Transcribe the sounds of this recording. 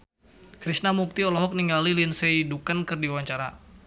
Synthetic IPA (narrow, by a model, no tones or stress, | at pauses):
kɾisnamuk̚t̪iɔlɔɦɔk̚niŋalilinsɛidukankɨrdiwaɲt͡ʃaɾa̰